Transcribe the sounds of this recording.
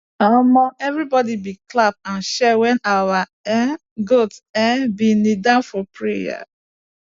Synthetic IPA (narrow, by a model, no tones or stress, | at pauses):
amɔɛvɹibɔdibiklap̚ãnʃɛwɛ̃nawaɛ | ɡotɛbinidãnfɔpɹeja̰